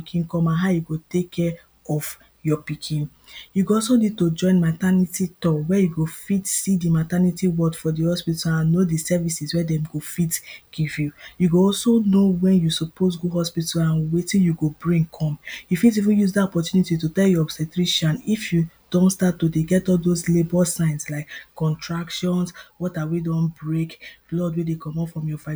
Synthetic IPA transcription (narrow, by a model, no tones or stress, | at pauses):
ikʰĩnkɔ̃mãnɦaʊjuɡotekʰːɛ | ɔf | jɔpikʰĩn | juɡoɔlsolitod͡ʒɔ̃ɪ̃nmatanititɔwɛjuɡofitsidimatanitiwɔdfɔdihɔspitalãnːodisɛvisiswɛdɛ̃mɡofitɡ̥ivjujuɡoɔlsonowɛ̃njusɔpʰosɡoɦɔspitalãnwetĩnjuɡobɹĩŋkʰɔ̃mjufit̬ivĩnjuzdatɔpɔtjunititutɛljɔɔbsɛtɹiʃɔ̃nifju | d̥ɔ̃ntstatːodeɡɛtɔldoslebɔsãɪ̃nslaɪkːɔ̃ntʰɹakʃɔ̃nswɔtawidɔ̃nbɹeklɔdwedekʰɔ̃mɔ̃fɹɔ̃mjɔfa